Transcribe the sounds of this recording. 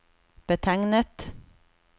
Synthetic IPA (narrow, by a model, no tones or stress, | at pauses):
b̥ət̪ʰæŋnət̪